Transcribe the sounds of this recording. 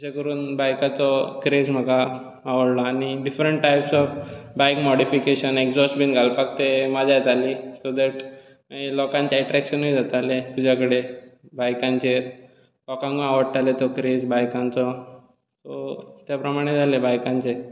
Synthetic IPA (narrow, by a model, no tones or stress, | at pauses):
sekəɾuːnbajkat͡sɔkɾed͡zm̤əɡaː | ʋəɽlɔañiɖifɾəɳʈʈajpsɔfbajkmɔɽifikeɕənekd͡zɔsʈbinɡʱalpak̚t̪emad͡ʑʱajt̪alisod̪ɛʈ | ilɔkãɲt͡ɕeɛʈɾɛkɕənɦojd͡zat̪alet̪ud͡ʑʱakəɽebajkãɲt͡ɕe | lɔkãŋɡũaʋəɽt̪alet̪ɔkɾed͡zbajkãnt͡sɔ | t̪ɔt̪japɾəmaɽ̃ed͡zʱalebajkãɲt͡ɕe